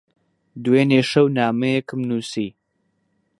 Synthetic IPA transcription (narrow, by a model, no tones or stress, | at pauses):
d̪uweːneːʃɐwnaːmɐjekɨmnuːsiː